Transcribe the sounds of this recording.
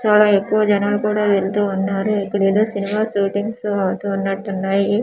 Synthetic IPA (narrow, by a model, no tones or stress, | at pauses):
t͡ʃaːlaːekːuʋɐd͡ʒɐnaːlukuːɽaːʋeɭt̪uːnːaːɾuikːuɽeːd̪oːsinimaːʃuːʈiŋɡsɐʋt̪uːnːɐʈːunːaːji